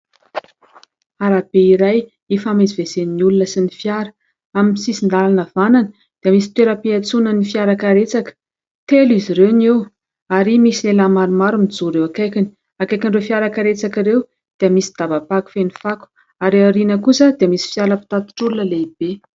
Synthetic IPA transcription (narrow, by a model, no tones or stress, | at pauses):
aɾab̥eiɾaj | ifamezivezeniiulunəsinifjaɾə̥ | aminsisind̪alanəvananə | d̪̥iəmisi̥t̪weɾəpiat͡sunənifiaɾakaɾet͡sakə̥ | t̪eliziɾewnew | aɾimisilelamaɾumaɾumid͡zuɾewakajkini̥ | akajkiɳɖ͡ʐewfiaɾakaɾet͡sakiɾew | d̪̥iəmisi̥d̪̥abapaku̥fenifaku̥ | aɾeaɾinəkusəd̪iəmisi̥fjaləpi̥t̪at̪i̥ʈ͡ʂulunəleib̥e